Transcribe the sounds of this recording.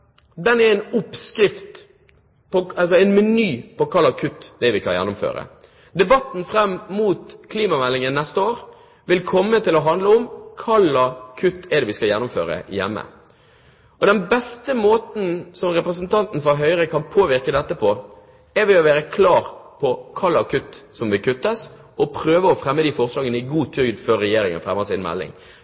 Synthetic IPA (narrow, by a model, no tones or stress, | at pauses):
d̪ɛnɛɾɛnʊpskɾɪft̪ | pɔɑls̬ɔɛɪnmɛnyːpɔkʰɑlːɑkʰʉt̪ːd̪ɛʋɪkʰɑnjɛ̰nːʊmfø̰ːɾə̰ | d̪ɛbɑt̪ːn̩fɾɛmːmuːt̪kʰliːmɑmɛlːɪŋənnɛst̪əoːɾ | ʋɪlkʰɔmːət̪ʰɪlɔɦɑnd̪ləʊmkʰɑlɑkʰʉt̪ːɛd̪ɛːʋɪskɑjɛnːʊmfø̰ːɾə̰jɛ̰mːə̰ | ɔd̪ɛnbɛst̪əmoːt̪n̩sɔmɾɛpɾəsnt̪ʰɑnt̪n̩fɔɦœʏɾəkʰɑnpʰoːʋɪɾkəd̪ɛt̪ːəpʰɔ | ɛɾʋɪlɔʋæːɾəkʰlɑːɾpʰɔkʰɑɭːɑkʰʉt̪ːsɔmʋɪlkʰʉt̪ːəs | ɔpʰɾøːʋəɔfɾɛmːəd̪iːfɔʁslɑːɡənəɪɡuːt̪ʰʏɡd̪føɾːɛjeːɾɪŋə̰nfɾɛmːəsɪnmɛ̰lːɪ̰ŋ